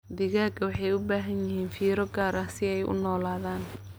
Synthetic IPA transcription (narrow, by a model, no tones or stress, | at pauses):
d̪ɪɣaːɡɐwɑħɑjʊbaːɦɐnjɪɦiːnfiːɾɔɡaːɾɐsɪɛjʔʊ̰nɔːlaːðaːn